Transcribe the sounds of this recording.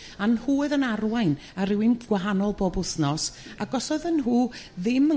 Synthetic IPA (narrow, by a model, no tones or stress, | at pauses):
anhuːɨðənarwajn | aɾɪwɪmɡ̥waɦanɔlˠbɔbʊθnɔs | aɡɔsɔðənɦuː | ðɪmə